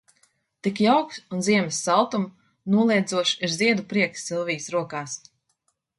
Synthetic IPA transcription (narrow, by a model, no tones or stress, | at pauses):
t̪ikjawksunziɛmsːalˠt̪um | nuɔlˠiɛd̪zuɔʃiɾziɛd̪upɾiɛksːilˠvijsɾuɔkaːs